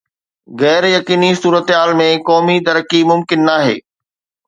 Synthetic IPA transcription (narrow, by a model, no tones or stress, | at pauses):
ɣɛːɾjɐkiːnisuːɾət̪ɦaːlmẽkɔːmid̪ɐɾəkimʊmkɪnːaːɦḛː